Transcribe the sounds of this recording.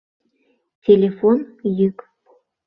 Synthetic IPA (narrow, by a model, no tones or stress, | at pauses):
tʲelʲefonjyk